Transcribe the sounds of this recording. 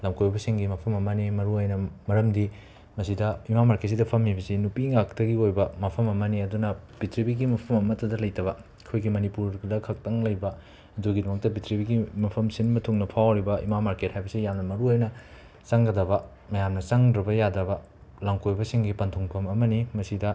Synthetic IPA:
lamkʰojbɐsiŋɡimɐpʰɐmɐmɐnimɐɾuajnɐmɐɾɐmdi | mɐsidɐimamaɾket̚sidɐpʰɐmːibɐsinupiŋaktɐɡiojbɐmɐpʰɐmɐmɐniɐdunɐb̥itʰɾibiɡimɐpʰɐmɐmɐtʰɐdɐlɐjtɐβɐ | kʰojɡimɐnipuɾɡdɐkʰɐk̚tɐŋlɐjbɐ | ɐduɡidɔmɐk̚tɐbitɾibiɡimɐpʰɐmsinmɐtʰuŋnɐpʰawɾibɐḭmamaɾket̚hajbɐsijamnɐmɐɾuajnɐ | t͡ʃaŋɡɐdɐbɐ | mɐjamnɐsaŋdɾɐbɐjadɾɐbɐ | laŋkʰojbɐsiŋɡipɐntʰoŋpʰɐmɐmɐnimɐsidɐ

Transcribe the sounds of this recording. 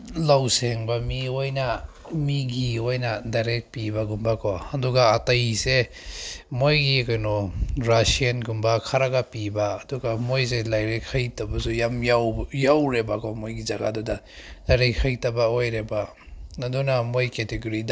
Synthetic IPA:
lawseŋbamiojna | miɡiojnadajɾek̚pibaɡumbakʰɔaduɡaːtajse | mojɡikajnɔɾasianɡumbakʰaɾaɡapibaːduɡamojz̬elajɾekʰajtabasujamjawjawɾebakʰɔmojɡizaɡa̰dɔda | dajɾekʰajtabaojɾeba | adunamojketeɡuɾida

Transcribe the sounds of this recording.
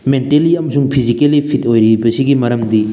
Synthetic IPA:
menteliɐmɐsuŋpʰizikelːipʰitojɾibɐsiɡimɐɾɐmd̪i

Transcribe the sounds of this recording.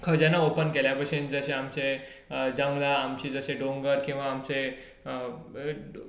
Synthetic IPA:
kʰəd͡ʑenaopənkeljapəsind͡zəɕeamt͡se | d͡zəŋɡlaːmt͡ɕid͡zəɕeɖõŋɡəɾkĩw̃ʋaːmt͡se

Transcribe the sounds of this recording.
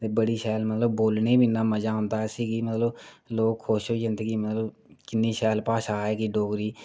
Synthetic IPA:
t̪eːbəɽiːʃɛːlmət̪ləbboːlneːbinːãːməd͡ʒaːɦʊ̃nd̪aːɛsiːɡiːmət̪ləbloːkʰːoːʃoːzɪnd̪əɡiːmət̪ləbkɪnːiːʃɛːlpaːʃaːɦɛːkiɖoːɡɾiː

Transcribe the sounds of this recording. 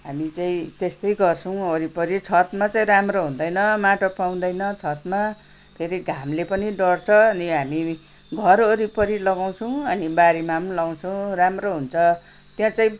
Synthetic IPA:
ɦamit͡saĩt̪est̪ʌjɡʌrt͡sʰʌw̃oɾipʌɾit͡sʰʌt̪mat͡saĩramroɦũnd̪ʌjnʌmaʈopaw̃d̪ʌjnʌt͡sʰʌt̪ma | pʰeɾiɡʱamlepʌniɖʌrt͡sʰʌːniɦami | ɡʱʌɾoɾipʌɾilʌɡaw̃t͡sʰʌw̃ʌnibaɾimamnlʌw̃t͡sʰũramroɦunt͡sʰʌ | t̪jãt͡saĩ

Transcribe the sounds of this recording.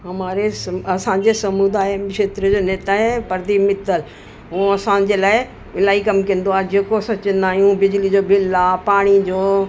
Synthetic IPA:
ɦɐmaːɾesɐsã̆d͡ʑeːsɐmud̪aːjmkʃeːt̪ɾəd͡ʑoːneːt̪aːɦepɐɾd̪imɪt̪əl | ɦũɐsãːn̆d͡ʑeːlaːɪ | ɪlaːikɐmkiə̃n̆d̪oaːed͡ʑeːkosɐt͡ɕə̃nd̪aːɦijũbɪd͡ʑlid͡ʑoːbʱɪlaːpaːɽ̃id͡ʑoː

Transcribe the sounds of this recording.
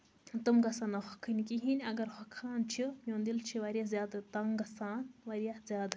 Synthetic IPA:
t̪ɨmɡɐsanaxɐkʰːɨnʲkiɦinʲɐɡɐɾhɐkʰːaːnt͡ʃʰijõːnd̪ilt͡ʃʰiʋaɾjazʲjaːd̪ɨt̪ɐŋɡɐsaːnʋɐɾijahzjaːd̪

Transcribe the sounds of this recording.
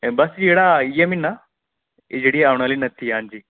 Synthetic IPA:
bɐsiɽaijeminːa | id͡ʑɽiaʋɳ̃alinɐt̪ʰːiaɲd͡ʑi

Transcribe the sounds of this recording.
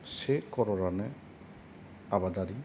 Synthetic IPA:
sekɔɾɔɾanɛ | abad̪aɾi

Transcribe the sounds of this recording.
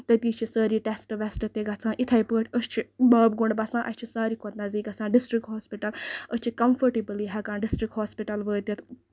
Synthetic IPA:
t̪ɐt̪iːt͡ʃʰisɐːɾiːʈesʈʋɛsʈɐt̪eɡɐt͡sʰãːʔit̪ʰɐipəːʈʰʲəst͡ʃʰibɐːbɡuɳɖbɐsãːʔɐst͡ʃʰisaːɾiːkʰot̪nɐziːkɐt͡sʰãːɖɪsʈɾikɦoːspiʈɐləst͡ʃʰikɐmfəɾʈibɨliɦɐkãːnɖɪsʈɾikhoːspiʈɐlʋəːt̪it̪ʰ

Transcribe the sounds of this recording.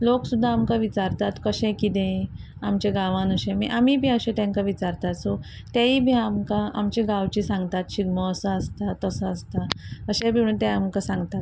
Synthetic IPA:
loksud̪ʱːaːmkaʋit͡ɕaɾt̪at̪kəɕẽkit̪ẽ | amt͡ɕeɡaʋãnəɕẽmḭʔamibʱiːəɕẽt̪ãŋkaʋit͡ɕaɾt̪at̪sɔ | t̪jaibʱiːamkaamt͡ɕeɡaʋt͡ɕiːsãŋɡt̪at̪ɕiɡməːsəəst̪at̪əsəəst̪aəɕẽbʱiũt̪ãamkasãŋɡt̪at̪

